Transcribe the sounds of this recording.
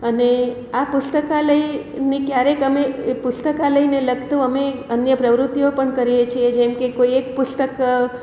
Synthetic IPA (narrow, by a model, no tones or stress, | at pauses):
əne | apʊst̪əkaləi | nĩkjaɾekəmepʊst̪əkaləineləɡt̪əʋəmeənjəpɾəʋɾʊt̪ːiopəɳkəɾijet͡ʃʰied͡ʒɛmkekoiek̚pʊst̪ək